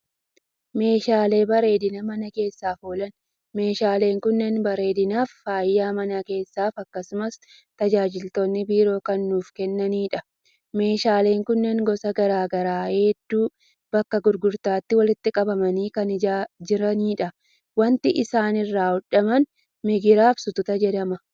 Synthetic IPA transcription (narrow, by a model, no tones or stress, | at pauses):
me̞ːʃaːle̞ːbɐɾe̞ːd̪ɪnɐmɐnɐke̞ːsːaːfoːlɐn | me̞ːʃaːle̞ːŋkʊnːɛnbɐɾe̞ːd̪ɪnaːfːaːjːaːmɐnɐke̞ːsːaːfɐkːɐsʊmɐs | t̪ɐd͡ʒaːd͡ʒɪlt̪oːnːɪbiːɾo̞ːkɐnːuːfkɛnːɐniːᶑɐ | me̞ːʃaːle̞ːŋkʊnːɛŋɡɔsɐɡɐɾaːɡɐɾaːhed̪ːuː | b̥ɐkːɐɡʊɾɡʊɾt̪aːt̪ːɪwɐlɪt̪ːɪkʼɐbɐmɐniːkɐnad͡ʒɪɾɐniːᶑɐ | wɐnt̪ɪʔɪsaːnɪrːaːʊᶑɐmɐn | mɛɡɪɾaːfsʊt̪ʊt̪ɐd͡ʒɛd̪ɐmɐ